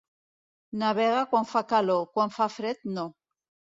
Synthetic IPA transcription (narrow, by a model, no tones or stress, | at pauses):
naβeɣakwaɱfakalokwaɱfafɾet̪̚no